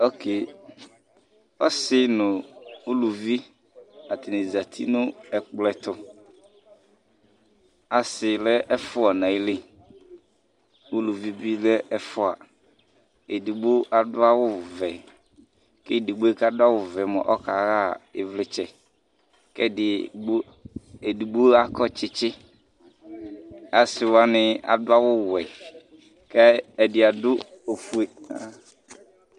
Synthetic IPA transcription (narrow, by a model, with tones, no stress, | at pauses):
ɔ˦kɪ˨ | ɔ˦sɪ˦nʊ̃˨u˦lu˨vi˦ | a˨t̪ɪ˨nɪ˨za˨t̪ʰi˦nʊ̃˦ɛ˨k͡plɛ˨t̪ʊ˦ | a˨sɪ˨lɛ˦ʔɛ˦fʊ˦ɔ˨nã˨ɪ˦lɪ˦ | u˦lu˨vi˦bi˦lɛ˦ɛ˦fʊ˦a̰˨ | e˨di˨ɡ͡bo˦ʔa˨dʊ˦a˦wʊ˦vɛ˨ | kɪ˦˨di˨ɡ͡bo˦e˦ka˦da˦wʊ˨vɛ˨mɔ̰̃˨ʔɔ˦ka˨ɣa˦˨ɪ˨vlɪ˨t͡ʃɛ˨ | kɛ˦dɪ˨˦ | e˨di˨ɡ͡bo˦a˦kɔ˦t͡ʃɪ˦t͡ʃɪ˦ | a˨˦sɪ˨wa˨nɪ˨a̰˨dʊ˦a˦wʊ˦˨wɛ˨ | kɛ˦ɛ˨dɪ˨a˨dʊ˦ | o˨fu˦e˨a˦